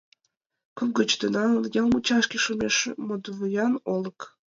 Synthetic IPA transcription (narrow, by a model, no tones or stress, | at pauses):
kuɡət͡ɕt̪ənɑnjɑlmut͡ɕɑʃkʲiʃomʲeʃmod̪vujɑnolə̆k